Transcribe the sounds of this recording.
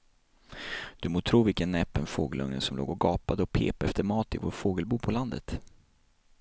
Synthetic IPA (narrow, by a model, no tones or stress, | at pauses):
d̪̥ɵmoːt̪ʰɾuːvɪlkənːɛpːənfoːɡəlʔɵŋnənsɔmlo̰ːɡɔɡɑːpad̪əɔpʰḛːpɛft̪əɾmɑːt̪ɪvo̰ːɾfoːɡəlbuːpʰɔland̪ə̰t̪